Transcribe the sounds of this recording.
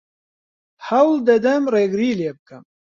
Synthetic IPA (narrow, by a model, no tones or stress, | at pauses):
hɐwld̪ɐd̪ɐmreːɡɾiːljebɨkɐm